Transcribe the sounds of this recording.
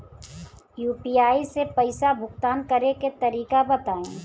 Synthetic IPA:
juːpiːaːisepəɪsabʱʊk̚t̪aːnkəɾeket̪əɾiːkabɐt̪aːẽː

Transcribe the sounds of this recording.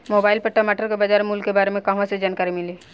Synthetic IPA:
moːbaːɪlpɐɾʈɐmaːʈəɾkebɐd͡ʒaːɾmuːlkebaːɾemẽkaɦʋãsed͡ʒaːnkaːɾimɪleː

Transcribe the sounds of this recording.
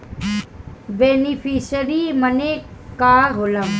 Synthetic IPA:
beːnipʰisəɾimənekaːɦoləm

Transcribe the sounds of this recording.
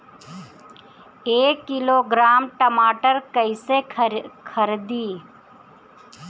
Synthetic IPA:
eːkːɪloːɡɾaːmʈəmaːʈəɾkəɪsekʰəɾd̪iː

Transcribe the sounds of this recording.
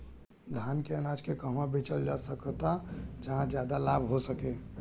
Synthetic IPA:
d̪ʱankeənaːd͡ʒkekəɦmãbɪt͡ʃəld͡ʒasəkt̪ad͡ʒəɦãd͡ʒjaːd̪alabʱɦosəkeː

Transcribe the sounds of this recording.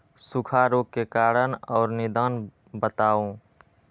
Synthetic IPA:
sʊkʰaɾoːkkekaːɾənɔːɾnɪd̪ən | bət̪aːũ

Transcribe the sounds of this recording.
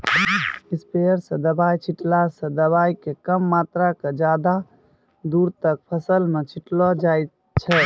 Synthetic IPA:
ispeəɾsə̃d̪əbajt͡ʃʰiʈlasə̃d̪əβajkekəmːat̪ɾaked͡ʒad̪a | d̪uɾt̪ək̚pʰəsəlmet͡ʃʰiʈlɔd͡ʒajt̪ | t͡ʃʰɛ

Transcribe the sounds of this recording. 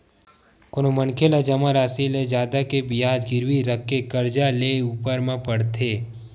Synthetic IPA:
konomənkʰelad͡ʒɐmaɾaːsiled͡ʒaːd̪akebijaːd͡ʒɡɪɾwiɾəkːekəɾd͡ʒaleuːpəɾmãpəɽt̪ʰeː

